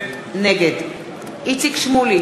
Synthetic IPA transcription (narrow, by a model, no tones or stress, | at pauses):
nɛɡɛt̪ | it̪sʰikʰʃmuli